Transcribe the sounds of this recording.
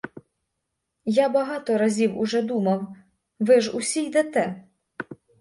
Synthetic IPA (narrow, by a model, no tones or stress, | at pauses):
jabɐɦɑt̪ɔɾɐzʲiwʊ̰ʒɛd̪umɐw | ʋɪʒusʲijd̪et̪ɛ